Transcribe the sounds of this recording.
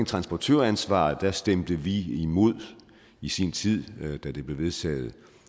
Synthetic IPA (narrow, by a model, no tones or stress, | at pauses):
ŋt͡sʰʁɑ̈nsb̥ɒt͡sʰøɐænsʋɑ̰̈ːð̩ˠd̥æsd̥emd̥əʋiimo̝ð̞̰ˠ | isint͡sʰið̰ˠd̥æd̥e̝b̥le̝ʋe̝ðˠt͡sʰɛ̰ːð̩ˠ